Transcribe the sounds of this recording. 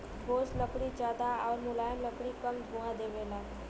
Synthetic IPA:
bʱoːsləkɽid͡ʒaːd̪aɔːɾmʊlaːjəmləkɽikɐmɡʊɦãd̪eːʋeːlaː

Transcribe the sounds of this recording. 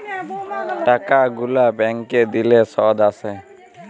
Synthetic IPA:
ʈakaɡulabɛŋkɛd̪ilɛsɔd̪asɛ

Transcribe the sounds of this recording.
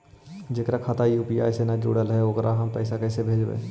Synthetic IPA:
d͡ʒeːkɾakʰat̪ajuːpija̰ːjsenad͡ʒṵːɽəlɦɛokɾʔaɦɐmpɛːɪsakɛːsebʱeːd͡ʒbḛ̃ː

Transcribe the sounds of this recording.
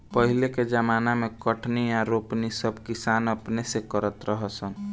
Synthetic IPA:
pəɦileked͡ʒəmanamekəʈʰniaɾopnisəbʱkisanəpnesekəɾət̪ɾəɦəsən

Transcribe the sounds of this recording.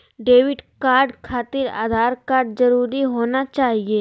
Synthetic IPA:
ɖeːʋɪɖkaːɾɖkʰaːt̪ɪɾa̰ːd̪ʱaːɾkaːɾɖzɐɾuːɾiɦoːnat͡ʃaːɦieː

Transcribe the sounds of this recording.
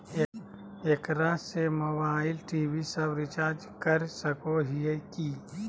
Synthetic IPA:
ekɾasemobaːɪlʈiːʋisəbɾɪt͡ʃaːɾd͡ʒ | kɐɾsəkoɦieki

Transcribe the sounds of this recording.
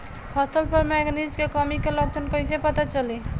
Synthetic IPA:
pʰəsəlpəɾmeknid͡ʒkekəmikelək̚t͡ʃənkəɪ̃sepət̪at͡ʃəli

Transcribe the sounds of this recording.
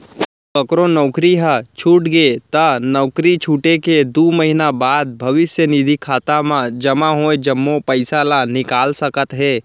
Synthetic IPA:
kəkɾonɔːkɾiɦət͡ʃʰuːʈɡet̪ənɔːkɾit͡ʃʰuːʈeked̪uːməɦinabaːd̪̚bʱɐʋɪsjənid̪ʱikʰaːt̪amãd͡ʒɐmaɦoed͡ʒɐmːopəɪsalanɪkaːlsəkət̪ɦeː

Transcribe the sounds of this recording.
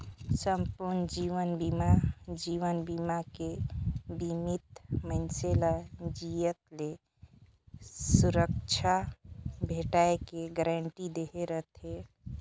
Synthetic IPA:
səmpuɾnd͡ʒiʋənbimad͡ʒiʋənbimakebimit̪mənselad͡ʒijət̪̚le | suɾək̚t͡ʃʰabʱeʈaekeɡəɾəɳʈid̪eɦeɾəɦt̪ɦe

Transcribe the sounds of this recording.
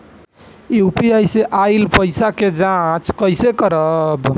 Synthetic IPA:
upiajseʔajlpəjsaked͡ʒãt͡ʃkəjsekəɾəb

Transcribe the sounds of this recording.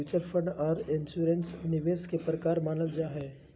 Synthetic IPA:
uːt͡ʃəɾfʰə̃ɳɖɔːɾɪ̃nʃuːɾensnɪʋeːskepɾəkaːɾmaːnəld͡ʒaːɦɛː

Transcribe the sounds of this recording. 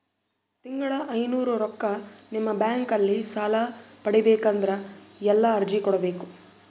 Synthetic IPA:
t̪iŋɡɐɭɐʔɐjnuːɾuɾɔkːɐnimːɐbjaːŋkɐlːisaːlɐpɐɽibeːkɐnd̪ɐɾɐɛlːɐːɾd͡ʒikɔɽɐbe̞ːku

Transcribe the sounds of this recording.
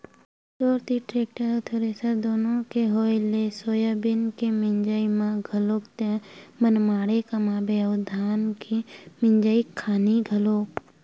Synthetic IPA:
t͡ʃoːɾt̪iʈɾeːk̚ʈəɾt̪ʰoːɾesəd̪oːnõkeɦoːjlesoːjəbɪnkemɪɲd͡ʒəimãɡʱəloːkt̪ẽmənmaːɽekamãːbed̪ʱaːnkimɪ̃ɲd͡ʒəikʰːaːniɡʱəloːk

